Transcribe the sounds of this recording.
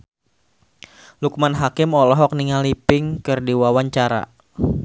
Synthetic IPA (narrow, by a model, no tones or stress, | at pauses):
lukmanɦakɪmɔlɔɦɔk̚niŋalipɪŋkɨrdiwawaɲt͡ʃaɾa̰